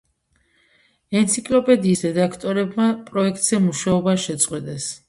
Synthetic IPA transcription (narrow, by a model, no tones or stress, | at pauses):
ɛnt̪sʰikʼlɔpʼɛd̪iːsɾɛd̪akʰt̪ʼɔɾɛbmapʼɾɔɛkʰt̪ʼz̥ɛmuʃaɔbaʃɛt̪sʼqʼwɛd̪ɛs